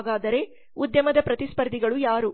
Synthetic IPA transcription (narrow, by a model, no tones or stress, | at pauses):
ɡaːd̪ɐɾe̞ | ud̪jɐmɐd̪ɐpɾɐt̪ispɐɾd̪iɡɐɭujaːɾu